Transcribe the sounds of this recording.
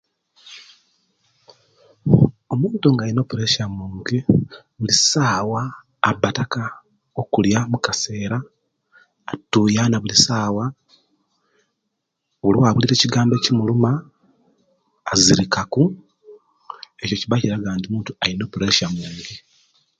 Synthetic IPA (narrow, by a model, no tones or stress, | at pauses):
o̞muːntuŋɡaːjino̞ːpuɾeʃamuːŋɡiβulisaːwaː | bːataka | okuljamukase̞ːɾaː | tːujanaβulisaːwa | βuliwaβuliɾe̞ːciɡaːmbe̞ːcimuluma | ziɾikaku | e̞co̞ciβaciɾaɡaːndimuːntuaino̞ːpuɾe̞ʃamuːŋɡi